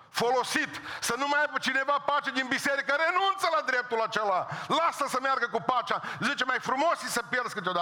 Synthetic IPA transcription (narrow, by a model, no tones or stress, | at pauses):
folosit̪sənumajapət͡ʃinevapat͡ʃed̪inbiseɾikəɾenunt̪səlad̪ɾep̚t̪ulat͡ʃelalasəsəmjarɡəkupat͡ʃazit͡ʃemajfɾumosisəpjerd̪skɨt̪eod̪a